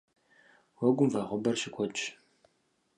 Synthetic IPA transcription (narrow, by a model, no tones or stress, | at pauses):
wɔɡʷʊmvɐʁʷʊbɐrʃɪkʷʰɔt͡ʃʼ